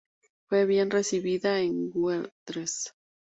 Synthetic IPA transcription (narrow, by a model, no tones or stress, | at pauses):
fwe̞βje̞nre̞siβiðaeŋɡuelt̪ɾes